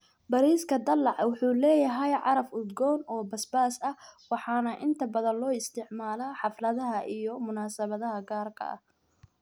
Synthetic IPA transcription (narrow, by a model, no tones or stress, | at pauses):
bɐɾiːskʰɐd̪ɐlːɑʕwʊħuːlɛːjɐɦɛjʕɑɾɐfʊd̪ɡɔːnɔːbɐsbaːsɐwɑħɑːnɐʔɪnt̪ʰɐbɐðɐnlɔːɪst̪ʰɪʕmaːlaːħɑflɐðɐɦɐʔijɔmʊnaːsɐβɐðɐɦɐɡaːrkʰɐ̰ʔɐ̰h